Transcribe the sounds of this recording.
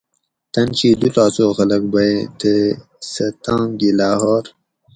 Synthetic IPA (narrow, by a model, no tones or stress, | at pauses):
t̪ɐnt͡ɕiːd̪ut̪aːsoːxɐlɐk̚bɐet̪ə | sɐt̪ãːmɡilaːhoːɾ